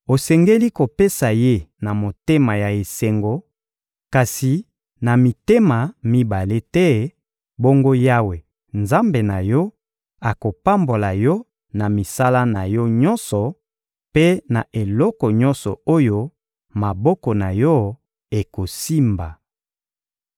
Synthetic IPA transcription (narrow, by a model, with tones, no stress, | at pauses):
o˨sɛ˨ŋɡe˦li˦ko˨pe˦sa˨je˦na˨mo˨te˦ma˨ja˨e˨se˨ŋɡo˨ | ka˨si˨ | na˨mi˨te˦ma˨mi˦ba˨le˦tɛ˦ | bo˦ŋɡo˦ja˦we˨ | nza˦mbe˨na˨jɔ˦ | a˨ko˨pa˦mbo˨la˨jɔ˦ | na˨mi˨sa˦la˦na˨jɔ˦ɲɔ˦nsɔ˨ | pe˦na˨ʔe˨lɔ˦kɔ˨ɲɔ̃˦nsɔ˨o˦jo˦ | ma˨bɔ˦kɔ˨na˨jɔ˦ | e˨ko˨si˦mba˨